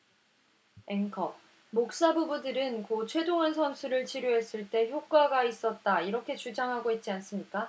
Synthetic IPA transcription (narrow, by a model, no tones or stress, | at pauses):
e̞ŋkʰʌ | mok̚s͈abubudɯɾɯnkot͡ɕʰwe̞doŋɦansʰʌnsʰuɾɯɭt͡ɕʰiɾjoɦe̞s͈ɯɭt͈e̞çjok̚k͈waɡais͈ʌt̚t͈aiɾʌkʰe̞t͡ɕud͡ʑaŋɦaɡoit̚t͡ɕ͈ians͈ɯmɲik͈a